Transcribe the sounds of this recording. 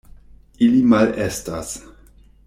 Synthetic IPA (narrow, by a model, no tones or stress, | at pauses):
ilimalestas